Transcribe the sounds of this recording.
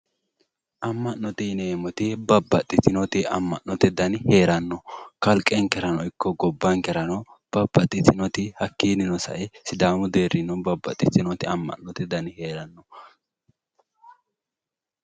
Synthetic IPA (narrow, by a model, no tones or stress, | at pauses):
ʔɐmːɐnːɔt̪ɪneːmɔt̪ɪbɐbːɐt̪ʼːɪt̪ɪnɔt̪ɪɐmːɐ̰ʔnɔt̪ɪd̪ɐnheːɾɐnːɔkɐlkʼːɛŋkɛɾɐnɔɪkːɔɡɔbːɐŋkɛɾɐnɔ | b̥ɐbːɐt̪ʼːɪt̪ɪnɔt̪ɪhɐkːiːnɪnɔsɐ̰ʔɛsɪd̪aːmʊd̪e̞ːɾɪnɔbɐbːɐ̰t̪ʼːɪt̪ɪnɔt̪ɪɐmːɐ̰nɔt̪ɪd̪ɐnhe̞ːɾɐnːɔ